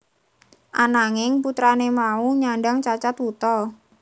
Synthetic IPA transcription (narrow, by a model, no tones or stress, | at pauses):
ʔanaŋɪŋput̪ɾanemauɲaɳɖaŋt͡ʃat͡ʃat̪ut̪ɔ